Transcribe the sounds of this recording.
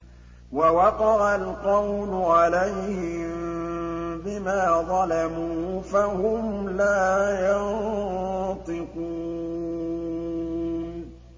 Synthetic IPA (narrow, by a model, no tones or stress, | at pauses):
wawɑqɑʕalqɑwlʊʕalejhɪm | bɪmaːðˤɑlamuːfahʊmlaːjɑn | t̪ˤɪquː